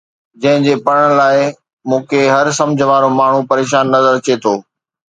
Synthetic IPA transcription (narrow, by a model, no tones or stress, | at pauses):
d͡ʑɐ̃ɦɪ̃d͡ʑeːpɐɽɽ̃laːɪ | mũːkʰeɦɐɾsɐ̃md͡ʑʱəʋaːɾomaːɳ̤upɐɾeːʃaːnːɐzəɾt͡ɕet̪ʰoː